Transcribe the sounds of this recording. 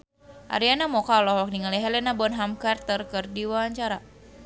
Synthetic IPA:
ʔa̰ɾianamɔkalɔɦɔk̚niŋaliɦɛlɛnabɔnɦamkart̪ərkɨrdiwawaɲt͡ʃaɾa

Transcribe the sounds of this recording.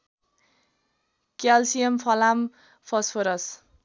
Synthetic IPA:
kjalsijʌmpʰʌlam | pʰʌspʰoɾʌs

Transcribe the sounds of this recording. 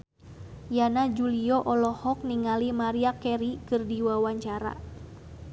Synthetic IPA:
janad͡ʒuliɔʔɔlɔhɔk̚niŋalimaɾiakɛɾikɨrdiwawaɲt͡ʃaɾa̰

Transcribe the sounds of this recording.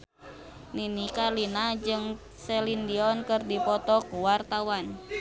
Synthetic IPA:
ninikalinad͡ʒɨŋ | sɛlindiɔnkɨrdipɔt̪ɔkuwart̪awan

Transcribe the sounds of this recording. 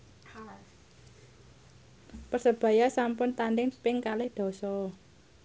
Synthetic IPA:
pərsəb̥ä̤jasampʊnt̪anɖɪŋpɪŋkalɪhd̪̥ɔ̤sɔ

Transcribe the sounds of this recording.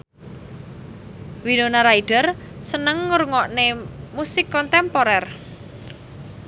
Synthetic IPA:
winonaɾaiɖ̥ər | sənəŋːurŋɔʔnemusɪkːɔnt̪ɛmpɔɾɛr

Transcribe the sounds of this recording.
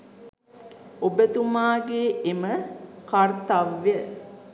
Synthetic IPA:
obət̪umaːɡeːʔeməkart̪aʋːjə

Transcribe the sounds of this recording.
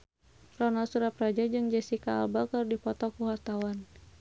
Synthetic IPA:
rɔnasuɾaprad͡ʒad͡ʒɨŋd͡ʒɛsikaːlbakərdipɔt̪ɔkuɦart̪awan

